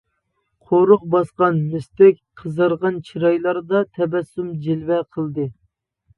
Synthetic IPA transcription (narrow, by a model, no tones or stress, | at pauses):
qʰoɾʊq̚bɑsqɑnmɪst̪ɛkʲqʰəzəɾʁɑnt͡ʃʰiɾɑjlˠɑɾd̪ɑt̪ʰɛbɛsːumd͡ʒelwɛqʰəlˠd̪ɨ